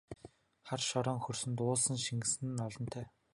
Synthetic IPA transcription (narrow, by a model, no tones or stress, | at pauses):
χarʃɔɾɔːŋxɵrsɵ̆nt̪ʊːɮsə̆ŋʃiŋɡɘ̆sɘ̆n̆ɔɮɞ̆nt̪ʰæː